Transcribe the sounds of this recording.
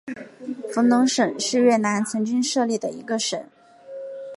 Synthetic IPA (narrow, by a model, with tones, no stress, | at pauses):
fu˧˥nʊ˧˥ŋʂə˨˩nʂɻ̩˥˧ɥɛ˥˩na˧˥nt͡sʰɤ˧˥ŋt͡ɕy˥ŋʂɤ˥˧li˥˩d̪ə˩i˧˥ɡə˧ʂə˨˩˦